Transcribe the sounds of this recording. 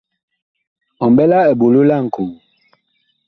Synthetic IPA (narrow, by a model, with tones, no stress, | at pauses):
ɔ˨m˨bɛ˦la˦ɛ˨bo˨lo˦la˦˨ŋ̩˨ko˨ŋ